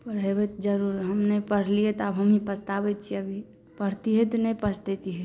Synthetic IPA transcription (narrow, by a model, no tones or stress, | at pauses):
pəɽ̤ebɛt̪d͡ʒəɾuɾɦəmnepəɽ̤liɛt̪ɔəbɦəmipəst̪abɛt̪̚t͡ʃʰiəbʱi | pəɽ̤t̪iɦɛt̪nəpəst̪et̪iɦɛ